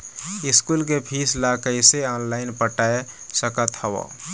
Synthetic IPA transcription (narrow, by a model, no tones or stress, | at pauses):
iskulkepʰislakəjseɔnlaɪnpəʈaesəkət̪həbɔ̰